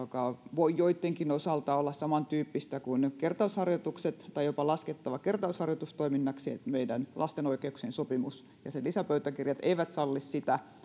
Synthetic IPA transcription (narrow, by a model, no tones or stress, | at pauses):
jokɑʋoijoit̪ːeŋkinosɑlt̪ɑolːɑssɑmɑnt̪yːpːist̪ækunkert̪ɑushɑrjot̪ukset̪t̪ːɑijjopɑlɑsket̪ːɑʋɑkert̪ɑushɑrjot̪ust̪oiminːɑksiḛt̪meidænlʔɑ̰st̪enoikeuksensopimus | jɑ̰selisæpøyt̪ækirjɑt̪eiʋæt̪sɑlːissit̪æ